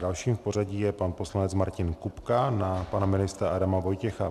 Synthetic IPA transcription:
dalʃiːmfpo̞r̝aɟijɛpanpo̞slanɛt͡smaɾcɪnkupkanapanamɪnɪst̪ɾaʔadamavo̞jcɛxa

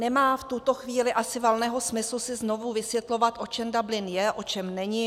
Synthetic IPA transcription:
nɛmaːft̪ut̪o̞xviːlɪʔasɪvalnɛːɦo̞smɪslusɪzno̞vuvɪsvjɛt̪lo̞vat̪ʔo̞t͡ʃɛmdablɪnjɛʔo̞t͡ʃɛmnɛɲɪ

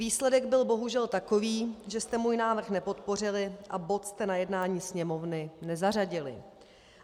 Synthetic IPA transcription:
viːslɛdɛɡbɪlbo̞ɦuʒɛlt̪ako̞viːʒɛst̪ɛmuːjnaːvr̩xnɛpo̞t̪po̞r̝ɪlɪʔabo̞t̪st̪ɛnajɛdnaːɲiːsɲɛmo̞vnɪnɛzar̝aɟɪlɪ̰

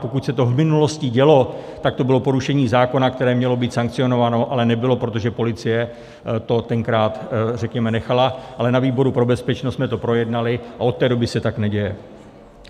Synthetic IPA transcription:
po̞kucsɛt̪o̞vmɪnulo̞scɪɟɛlo̞t̪ak̚t̪o̞bɪlo̞po̞ɾuʃɛɲiːzaːko̞nakt̪ɛɾɛːmɲɛlo̞biːt̪saŋk̚t͡sɪjo̞no̞vano̞ʔalɛnɛbɪlo̞pɾot̪o̞ʒɛpo̞lɪt͡sɪjɛ | t̪o̞t̪ɛŋkɾaːt̪rɛkɲɛmɛnɛxalaʔalɛnaviːbo̞ɾupɾo̞bɛspɛt͡ʃnostsmɛt̪o̞pɾo̞jɛdnalɪʔao̞t̪ːɛːdo̞bɪsɛt̪aknɛɟɛjɛ

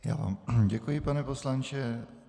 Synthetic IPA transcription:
ja̰ːva̰ːmɟɛkujɪpanɛpo̞slant͡ʃɛ

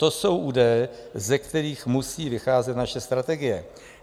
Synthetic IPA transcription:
t̪o̞so̞wʔuːdajɛzɛkt̪ɛɾiːxmusiːvɪxaːzɛt̪naʃɛst̪ɾat̪ɛɡɪjɛ

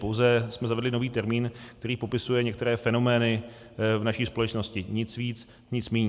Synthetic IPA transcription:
powzɛsmɛzavɛdlɪno̞viːt̪ɛɾmiːnk̚t̪ɛɾiːpo̞pɪsujɛɲɛk̚t̪ɛɾɛːfɛno̞mɛːnɪ | vnaʃiːspo̞lɛt͡ʃno̞scɪɲɪt͡sviːt͡s | ɲɪt͡smiːɲ

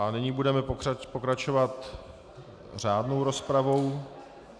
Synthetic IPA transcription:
ʔanɪɲiːbudɛmɛpoapokɾat͡ʃovat̪ | r̝aːdnowɾo̞spɾavo̞w

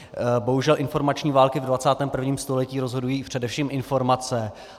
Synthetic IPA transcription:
bo̞ɦuʒɛlʔɪnfo̞ɾmat͡ʃɲiːvaːlkɪvdvat͡saːt̪ɛːmpr̩vɲiːmst̪olɛciːɾo̞zɦo̞dujiːpr̝̥ɛdɛfʃiːmʔɪnfo̞ɾmat͡sɛ

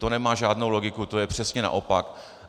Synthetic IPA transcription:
t̪o̞nɛmaːʒaːdno̞wlo̞ɡɪkut̪o̞jɛpr̝̥ɛsɲɛna̰ʔo̞pak

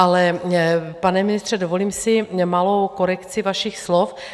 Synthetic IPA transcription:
ʔalɛ | panɛmɪnɪst̪r̥ɛdovo̞liːmsɪmalowko̞ɾɛkt͡sɪvaʃixslof

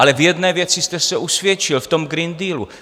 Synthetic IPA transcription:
alɛvjɛd̪nɛːvjɛt͡sɪst̪ɛsɛʔusvjɛt͡ʃɪlft̪o̞mɡɾind̪iːlu

